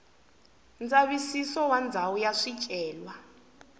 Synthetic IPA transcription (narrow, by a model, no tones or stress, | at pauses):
nd͡zaβisisɔwand͡zʱawujaʂit͡ʃʼɛːlwa